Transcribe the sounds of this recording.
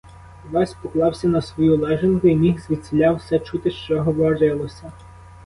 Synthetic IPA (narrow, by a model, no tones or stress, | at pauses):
ʋɑsʲpɔklˠɑwsʲɐnɐsʋɔjulˠɛʒenkʊimʲixzʋʲit̪ʲsʲelʲɑwsɛt͡ʃut̪ɪʃt͡ʃɔɦɔʋɔɾɪlˠɔsʲɐ